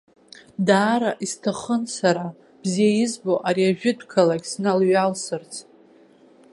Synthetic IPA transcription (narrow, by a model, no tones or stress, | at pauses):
daːɾaʔistʰaχənsaɾa | b̥zijaɪzboʔaɾiaʒᶣɪdʰkʰalaɡʲsnalɥalsɨrt͡sʰ